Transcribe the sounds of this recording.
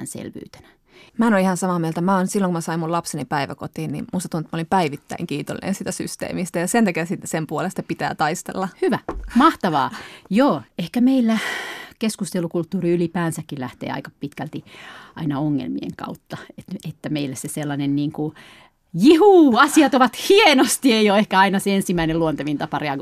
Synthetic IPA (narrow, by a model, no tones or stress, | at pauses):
nsḛlʋy̰ːt̪æ̥næ | mænoihɑnsɑmɑːmielt̪æmæonsilːoŋkumæsɑimulɑpsenipæiʋæ̰kot̪iːnnḭmust̪ɑt̪unt̪molimpæiʋit̪ːæ̰iŋkiːt̪o̰lːḭnʔḛnsiːt̪æsy̰st̪ḛːmist̪æjɑsent̪ækesit̪sempuolest̪ɑpit̪æ̰ːt̪ɑist̪ḛlːɑhyʋæmɑht̪ɑʋɑ̰ːjoːehkæmeilːækeskust̪elukult̪ːuːriylipæːnsækːilæht̪ḛːɑ̰ikɑpit̪kælt̪iʔɑ̰inɑoŋːḛlmḭḛŋkɑ̰ut̪ːɑet̪et̪ːæmeilːæseselːɑnenniːŋku | jihuːɑsiɑt̪oʋɑt̪hienost̪ieijoehkæɑinɑseensimæineluont̪eʋint̪ɑpɑreɑɡ